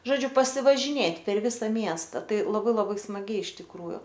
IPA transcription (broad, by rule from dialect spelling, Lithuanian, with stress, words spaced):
ʒoːˈd͡ʒʲʊ pɐsʲɪʋɐʒʲɪˈnʲeːtʲ pʲɛr ˈʋʲɪsɐ ˈmʲiɛstɐ ˈtɐɪ lˠɐˈbɐɪ lˠɐˈbɐɪ smɐˈɡʲɛɪ ɪʃ tʲɪkˈruːjʊ